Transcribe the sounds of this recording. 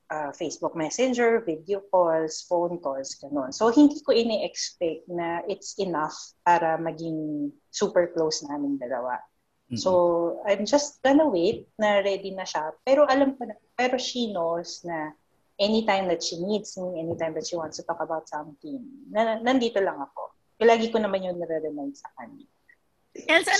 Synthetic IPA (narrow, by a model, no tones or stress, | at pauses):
ʔɐfejsbuk̚mɛsɛnd͡ʒɛɹvɪd̪eok̚olsfownkolsɡ̥ɐnonsohɪnd̪ikoʔɪnɛʔɛkspɛk̚t̪̚nɐʔɪt̪sɛnɐfpaːɾɐmɐɡɪŋ | suːpɛɹklowsnaːmɪnd̪ɐlɐ̰wa̰ | soɐjmd͡ʒɐst̪̚ɡ̥ɐnɐwet̪̚nɐɹɛd̪inɐʃɐpɛːɾo̞ʔɐlamkonɐ | pɛːɾo̞ʃinosnɐ | ʔɛnit̪ãjmd̪ɐt̪̚ʃinid̪smiɛnit̪ãjmd̪ɐt̪ʃiwãntst̪ut̪ɔkɐbawt̪̚sɐmt̪imnɐnɐnd̪iːt̪olɐŋɐko̞̰ | kɐlaːɡikonɐmanjʊŋnɐɾɛɾɛmajdsɐka̰ɲa | ɛnsɐ